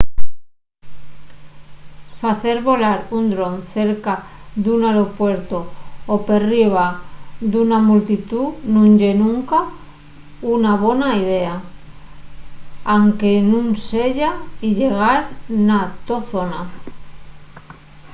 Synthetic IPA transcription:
faθe̞ɾβo̞laɾund̪ɾo̞nθe̞ɾkaðunaɾo̞pwe̞ɾt̪ooperiβ̞aðunamult̪it̪unũnʝenũŋka | unaβ̞o̞naiðe̞a | aŋke̞nũŋse̞ʎaiʎe̞ɣ̞aɾnat̪oθo̞na

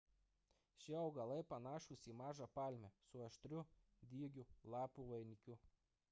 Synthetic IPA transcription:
ʃʲiɒʊɡɐlˠɐɪpɐnɑːʃʊsʲiːmɑːʒɑpɑːlʲmʲɛsʊɐʃt̪ʲɾʲʊ | d̪ʲiːɡʲʊlˠɑːpuʋɐɪnʲɪkʲʊ

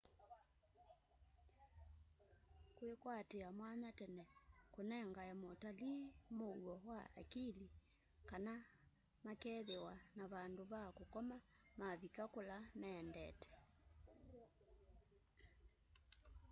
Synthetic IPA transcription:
kwekwateamwaɲatɛnɛkonɛŋɡajamɔtalimouɔhwaa̰kili | kana | makɛðɛwanaβandoβakokɔma | maβikakolamɛndɛ̰tɛ̥

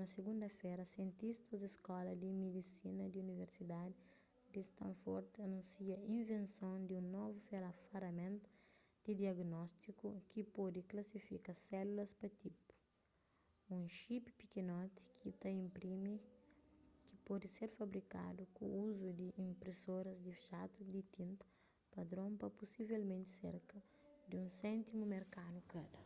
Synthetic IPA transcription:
nɐsɪɡũnd̪ɐfɛjɾɐsjẽnt̪ist̪ɐzd̪iskɔlɐd̪ɪmed̪isinɐd̪ɪuniveɾsid̪ad̪ɪ | d̪ɪst̪ɐ̰̃foɾt̪ɐnũnsiɐĩnvẽnsõwd̪ɪũnɔvufeɾafɐɾɐmẽnt̪ʊ̥ | d̪̥ɪd̪iɐɡnɔst̪ikukɪpɔd̪ɪklɐsifikasɛlulɐspɾɐt̪ipu̥ | ũʃippikenɔt̪i̥kʰit̪ɐĩmpɾim | kɪpɔd̪ɪseɾfɐbɾika̰d̪ukṵ̃uzud̪ɪʔĩmpɾesoɾɐzd̪ɪʃat̪ud̪it̪ĩnt̪ɐ | pɐd̪ɾõmpɐpusivɛlmẽnt̪sḛɾkɐ | d̪ɪũsɛ̃nt̪imumeɾkanukɐd̪ɐ

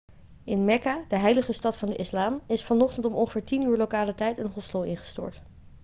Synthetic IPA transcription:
ɪnmɛkaːdəɦɛjləχəstɑtfɑndəʔɪslaːmɪsfɑnɔχtəntɔmɔŋχəvɪːɹtinyːɹlowkaːlətɛjtɪnɦɔstowɪnχə̥stʊ̰ːɹt

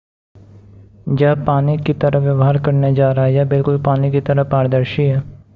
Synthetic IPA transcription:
d͡ʒəːpaːnikit̪əɾəʋjəʋɦaːɾkəɾned͡ʒaːɾəaiɦɛːbɪlkʊlpaːnikit̪əɾəaːɾd̪əɾʃiɦɛː

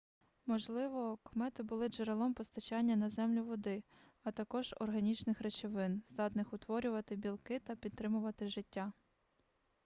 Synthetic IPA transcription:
mɔʒlˠɪʋɔkɔmɛt̪ɪbʊlˠɪd͡ʒeɾelˠɔmpɔst̪ɐt͡ʃɑnʲːɐnɐzɛmlʲʊʋɔd̪ɪ | ɐt̪ɐkɔʒ̥ɔ̰rɦɐnʲit͡ʃnɪxɾet͡ʃɪʋɪnzd̪ɑt̪nɪxʊt̪ʋɔɾʲʊʋɐt̪ɪbʲilˠkɪt̪ɐpʲid̪̚t̪ːɾɪmʊʋɐt̪ɪʒɪtʲːa

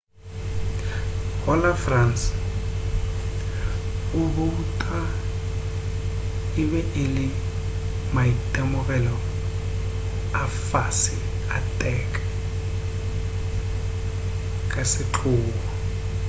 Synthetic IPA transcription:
hɔlafrans | uβutʼa | iβɛʔilɪ | maitʼɛmɔɣʼɛlɔ | afasi | atʼɛkʼḁ | kʼasɪǁʰuːbɔ

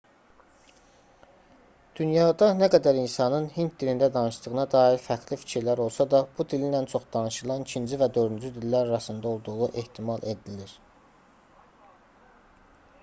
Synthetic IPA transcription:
d̪̥ynjɑːd̪ɑnæɡæd̪æɾinsɑnɯnhint̪̚d̪ilind̪æd̪ɑnɯʃd̪ɯɣɯnɑd̪ɑːiɾfæɡlifi̥cʰiɾlæɾo̞lˠsɑd̪ɑbud̪ilinænt͡ʃʰo̞χd̪̥ɑnɯʃɯlˠɑnicʰind͡ʒivæd̪ø̞ɾd̪ynd͡ʒyd̪ilːæɾɑɾɑsɯnd̪ɑo̞lˠd̪uʁuʔe̞ht̪ʰimɑlˠʔe̞d̪iliɾ

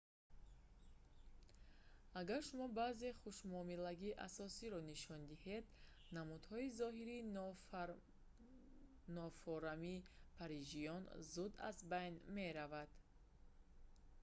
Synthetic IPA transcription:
aɡaɾʃumɔbaze̞χuʃmɔmilaɡiːʔa̰sɔsiɾɔniʃɔnd̪ihed̪ | namud̪hɔizɔɦiɾi | nɔfɔɾamipʰaɾid͡ʒijɔnzud̪a̰zbajnme̞ɾavad̪̥

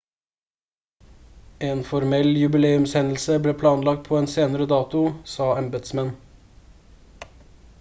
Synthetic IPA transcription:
eːnfɔɾmɛljʉbɪleːʉmshɛnəl̩səbleːpʰlɑːnlɑɡ̚t̪̚pʰoːeːnseːnəɾəd̪ɑːt̪ʊsɑːɑmbət̪smɛn

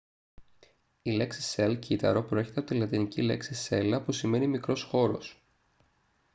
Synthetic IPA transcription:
ile̞ksi̥se̞lcit̪ɐ̰ɾo̞pɾoeçe̞t̪eɐpo̞t̪ilɐt̪inicile̞̰ksise̞lɐpusime̞nimikɾo̞sxo̞ɾo̞̰s

